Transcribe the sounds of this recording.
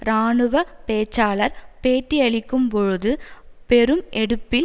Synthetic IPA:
ɾaːɳɯʋɐpeːt͡ʃːaːɭɐɾpeːʈːiɐɭɪkːɯmpɔɻɯðɯpɛɾɯmɛɽɯpːɪl

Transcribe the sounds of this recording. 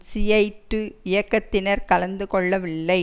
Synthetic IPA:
sɪjɐɪʈːɯɪjɐkːɐt̪ːɪnɐɾkɐlɐnd̪ɯkɔɭːɐʋɪlːɐɪ

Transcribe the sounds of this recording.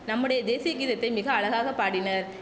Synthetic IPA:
nɐmːɯɽɐjɐd̪eːsɪjɐɣiːðɐt̪ːɐɪmɪɣɐːɭɐɣaːɣɐpːaːɽɪnɐɾ

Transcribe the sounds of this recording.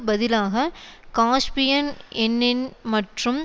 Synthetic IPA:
bɐðɪlaːɣɐkaːʂpɪjɐnɛnːɪnmɐʈrɯm

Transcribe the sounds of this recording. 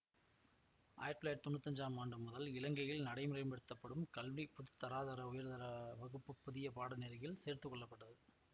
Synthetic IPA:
ʔa̰ːjɐɾt̪ːɯlaːɾʈt̪ːɔnːɐt̪ːɐɲd͡ʒaːmaːɳɖɯmːʊðɐlɪlɐŋɡɐjɪlnɐɽɐɪmʊrɐɪmpɛɽɯt̪ːɐpːɐɽɯmkɐlʋipʊðɯt̪ːɐɾaːðɐɾɐʊjɐɾðɐɾɐʋɐɣɯpːɯpːʊðɪjɐpaːɽɯneːɾɯɣɪlseːɾt̪ɯkːɔɭːɐpːɐʈːɐðɯ

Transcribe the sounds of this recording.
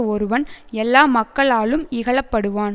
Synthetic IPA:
ɔɾɯʋɐnɛlːaːmɐkːɐɭaːɭɯmɪɣɐɭɐpːɐɽɯʋaːn

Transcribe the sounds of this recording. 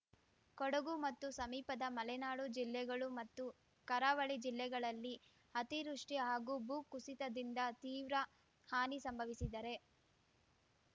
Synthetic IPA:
kɔɽɐɡumɐt̪ːusɐmiːpɐd̪ɐmɐlɛnaːɽud͡ʒilːɛɡɐɭumɐt̪ːu | kɐɾaːʋɐɭid͡ʒilːɛɡɐɭɐlːi | hɐt̪iɾuʂʈiɦaːɡubuːkːusit̪ɐd̪ind̪ɐt̪iːʋɾɐ | haːnisɐmbʱɐʋisid̪ɐɾe̞

